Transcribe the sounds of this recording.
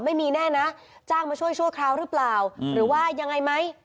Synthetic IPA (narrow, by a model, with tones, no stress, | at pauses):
ma˥˩jmiː˧nɛː˥˩na˦˥ | t͡ɕaː˥˩ŋmaː˧t͡ɕʰu˥˩əjt͡ɕʰu˥˩əkʰɾaː˧wɾɯ˦˥plaː˨˩wɾɯː˩˦waː˥˩ja˧ŋa˧jma˦˥j